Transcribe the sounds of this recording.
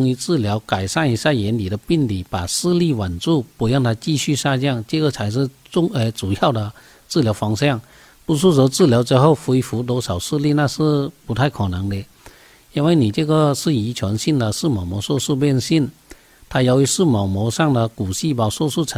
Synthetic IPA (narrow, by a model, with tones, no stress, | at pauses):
ŋi˧˥t͡sɹ̩˥˩ljɑ˧˥ʊka˨˩ɪʂa˥˩ni˧˥ɕja˥˩jɛ˧˥nli˨˩d̪ə˦pi˥˩nli˨˩˦pa˨˩sɹ̩˥˧li˥˩wa˨˩nt͡su˥˩pu˧˥jɑ˥˩ŋt̪ʰa˥t͡ɕi˥˧ɕy˥˧ʂa˥˧t͡ɕjɑ˥˩ŋt͡ɕə˥˧ɡə˨t͡sʰa˧˥ɪʂ̬ɻ̩˥˧t͡sʊ˥˧ŋe˧˩t͡su˨˩jɑ˥˩ʊd̪ə˨ | t͡sɹ̩˥˩ljɑ˧˥ʊfɑ˥ŋɕjɑ˥˩ŋ | pu˧˥ʂ̬u˥˩t͡sə˧˥t͡sɹ̩˥˩ljɑ˧˥ʊʈ͡ʂɻ̩˥xo˥˩ʊfu˧i˧˥fu˧˥t̪̬wɔ˥ʂɑ˨˩ʊsɹ̩˥˧li˥˧na˥˧ʂɻ̩˥˩pu˧˥t̪ʰa˥˩ɪkʰɔ˨˩nə˧˥ŋd̪ə˧ | i˥˧nwe˥˩ɪni˨˩ʈ͡ʂɤ˥˧˩ɡə˨ʂɻ̩˥˩i˧˥t͡ɕʰwɛ˧˥nɕi˥˩nd̪ə˨ʂɹ̩˥˩mɑ˨˩mwɔ˧˥swɔ˥˧ʂ̩˥˧pjɛ˥˧nɕi˥˩n | t̪ʰa˥ja˧˥ʊy˧˥ʂɹ̩˥˩mɑ˨˩ʊmɔ˧˥ʂɑ˥˩ŋd̪ə˨ku˨˩ɕi˥˩pɑ˨˩sɔ˥˧ʂ̩˥˩ʈ͡ʂʰə˧˦